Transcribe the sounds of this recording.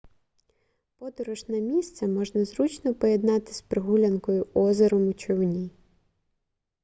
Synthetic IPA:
pɔd̪ɔɾɔʃnɐmʲist̪sɛmɔʒnɐzɾut͡ʃnɔpɔjed̪nɑt̪ɪ̥spɾɪɦulʲɐnkɔjʊɔzeɾɔmʊt͡ʃɔwnʲi

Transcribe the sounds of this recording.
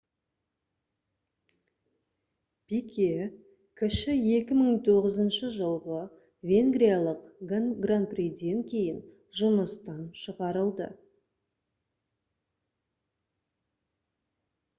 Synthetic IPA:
pekʲʰe | kʲʰɪʃɪje̞kʲɪməɴt̪ʰo̞ʁəzənʃəʒəlˠʁə | vʲe̞ŋɡɾijalˠəqɡɡranprid̪e̞ŋkʲʰe̞jɪn | ʒʊməst̪ɑnʃəʁɑɾəlˠd̪ə̰

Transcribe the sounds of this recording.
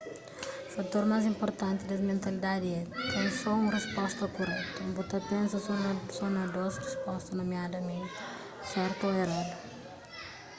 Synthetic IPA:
ufat̪oɾmajzĩmpoɾt̪ɐ̃nt̪id̪ɐzmẽnt̪ɐlid̪ad̪iɛt̪ẽj̃sɔũrespɔst̪ɐkurɛt̪ɐũbot̪ɐpẽnsɐsonsonɐd̪osrespɔst̪ɐnomjad̪ɐmẽnt̪ɪ̥ | sɛɾt̪oeɾad̪u

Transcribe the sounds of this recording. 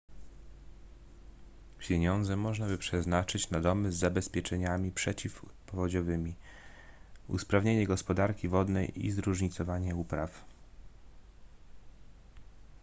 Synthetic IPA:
pʲjeɲɔnd̪zɛmɔʐnabɘpʂɛznat͡ʂɘt͡ɕnad̪ɔmɘzːabɛspʲjɛt͡ʂɛɲamʲipʂɛt͡ɕifpɔvɔd͡ʑɔvɘmʲi | ṵspɾavɲeɲɛɡɔspɔd̪aɾkʲivɔd̪nɛjḭzɾuʐɲit̪sɔvaɲɛupɾaf

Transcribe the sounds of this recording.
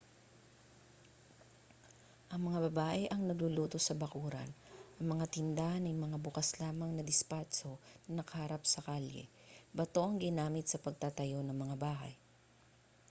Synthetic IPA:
ʔɐŋmɐŋabɐbaːʔɛʔɐŋnɐɡluluːt̪o̞sɐbɐkuːɾɐ̰nʔɐŋmɐŋat̪ɪnd̪aʔɐnɐjmɐŋabʊkaslaːmɐŋnɐd̪ɪspat͡ʃonɐnɐkɐhaɾap̚sɐkaljɛ̰ | bɐt̪o̞ʔɐŋɡɪnaːmɪt̪̚sɐpɐɡ̚t̪at̪ɐjo̞nɐŋmɐŋabaːɦɐ̰j

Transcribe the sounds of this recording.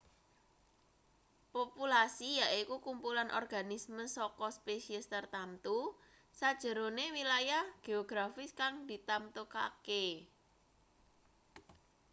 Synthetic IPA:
populasijaʔikukumpulanʔɔ̰rɡ̥a̤nisməsɔkɔspesiəst̪ərt̪ant̪u | sad̥ʒ̥ə̤ɾonewilajahɡ̥e̤oɡ̥ɾafɪskaŋd̪i̤t̪amt̪oka̰ke

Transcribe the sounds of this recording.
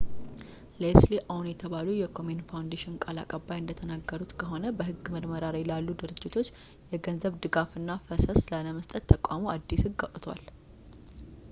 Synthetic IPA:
lesliʔawnjɛt̪ʰəβalujɛkʰo̞menfawnd̪eʃɪnkʼalakʼəbːajɨnd̪ət̪ʰənaɡːəɾut̪kʰəɦo̞nəbəɦɨɡːməɾməɾaɾajlalːud̪ɨɾɨd͡ʒːɪt̪ʰo̞t͡ʃː | jɛɡənzəβd̪ɨɡafɨnːafəsəslələməst̪ʼət̪ʰːəkʼamoad̪ːisɨɡːat̪ʼt̪ʰwa̰l

